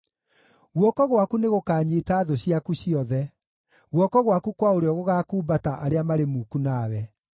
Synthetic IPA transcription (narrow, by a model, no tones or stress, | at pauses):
ɣwɔkɔɣwakuneɣokaːɲetaːðoɕiakuɕiɔðɛ | ɣwɔkɔɣwakukwaoɾeɔɣoɣaːkuːbataʔaɾeamaɾemuːkunaːwɛ